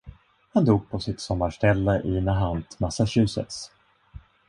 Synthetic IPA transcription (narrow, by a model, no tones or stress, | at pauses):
hand̪uːɡ̚pʰɔsɪt̪sɔmːaʂʈɛlːəʔɪnaɦant̪ʰmasaɕʉ̟ːsə̰t̪s